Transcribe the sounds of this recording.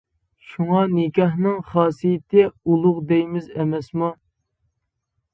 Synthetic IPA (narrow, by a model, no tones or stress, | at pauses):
ʃuŋɑnɪkʲɑhnɨŋχɑːsijɪt̪ʰɪulˠʊʁd̪ɛjmɪzɛmɛsmu